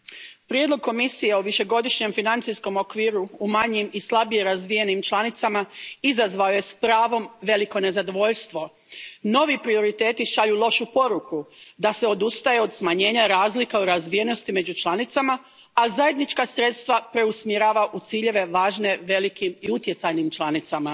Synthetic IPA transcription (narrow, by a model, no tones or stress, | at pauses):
pɾjed̪lo̞ɡ̚ko̞misije̞oʋiʃe̞ɡo̞d̪iʃɲe̞mfinant̪sisko̞mo̞kʋiːɾuumaɲimislˠabijeɾazʋije̞nimt͡ʃlˠanit̪samaizazʋaoje̞spɾaːʋo̞mʋe̞liko̞ne̞zad̪o̞ʋo̞ʎst̪ʋo̞ | no̞ʋipɾio̞ɾit̪e̞ːt̪iʃaʎulˠo̞ʃupo̞ɾukʰud̪aseo̞d̪ust̪aje̞o̞d̪smaɲe̞ːɲaɾaːzlikauɾazʋijeno̞st̪ime̞d͡ʑut͡ʃlˠanit̪sama | azaje̞d̪nit͡ʃkasɾe̞t̪st̪ʋapɾe̞usmjeɾaːʋaʔut̪siːʎe̞ʋe̞ʋaːʒne̞ʋe̞likimiut̪je̞t̪sajnimt͡ʃlˠanit̪sama